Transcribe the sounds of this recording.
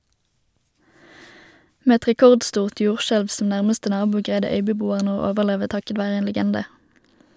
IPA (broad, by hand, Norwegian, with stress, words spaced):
ˈmeː ˈɛt ʁɛˈkɔʁdˌstuːʁt ˈjuːʁˌʃɛlʋ sm̩ ˈnæʁməstə ˈnɑːbuː ˈɡʁæɪdə ˈœʏbəˌbuːəʁnə ˈoː ˈoːʋəʁˌleːʋə ˈtɑkət ˈʋæːʁə ˈeːn ləˈɡɛndə